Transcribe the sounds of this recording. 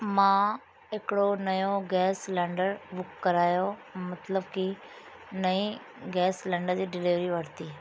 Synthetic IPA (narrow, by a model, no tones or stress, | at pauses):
mãː | ɪkɽonəjoɡɛːslɛ̃ːɳɖəɾbʊkːəɾaːjomət̪ləbki | nəĩː | ɡɛːslɛ̃ːɳɖəɾd͡ʑiːɖɪlɪʋɾiʋəɾt̪iː